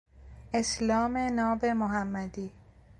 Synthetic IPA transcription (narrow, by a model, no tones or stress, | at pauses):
e̞slɒːme̞nɒːbe̞moɦæmːæd̪iː